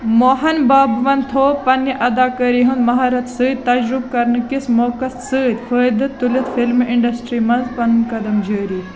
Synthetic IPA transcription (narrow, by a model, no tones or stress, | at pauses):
moːɦɐnbaːbʋɐnt̪ʰoːpɐnːiʔɐd̪aːkɐɾiːɦũnd̪mɐɦaːɾɐt̪sɨːd̪̚t̪ɐd͡ʒɾʊb̚kɐɾnɨkɪsmoːkɐssɨd̪fəːjd̪ɨt̪ulɐt̪filmʔɪ̃ɳɖɐsʈɾiːmɐnzpɐnunkɐd̪ɐmd͡ʒəːɾiː